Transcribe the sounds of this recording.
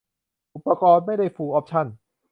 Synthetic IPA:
ʔu˨˩pːa˧kɔː˧nma˥˩jda˥˩jfuː˧ʔɔː˦˥p̚t͡ɕʰa˥˩n

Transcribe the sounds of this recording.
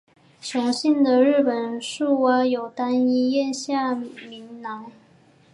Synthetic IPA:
t͡ɕʰjʊ˧˥ŋɕi˥˩nd̪ə˨ɻɻ̩˥˩pə˨˩nʂu˥˩wa˥jo˨˩ʊt̪a˥ni˥jɛ˥˧nɕja˥˩mi˧˥ŋnɑ˧˥ŋ

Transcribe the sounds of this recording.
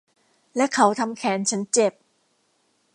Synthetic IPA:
lɛ˦˥kʰa˦˥wt̪ʰa˧mkʰɛː˩˦nt͡ɕʰa˦˥nt͡ɕe˨˩p̚

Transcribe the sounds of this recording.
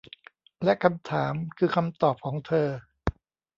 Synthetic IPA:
lɛ˦˥kʰa˧mt̪ʰaː˩˦mkʰɯː˧kʰa˧mt̪ɔː˨˩p̚kʰɔː˩˦ŋt̪ʰɤː˧

